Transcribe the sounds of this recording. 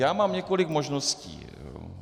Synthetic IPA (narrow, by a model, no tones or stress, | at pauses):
jaːmaːmɲɛkolɪɡmoʒnoscḭː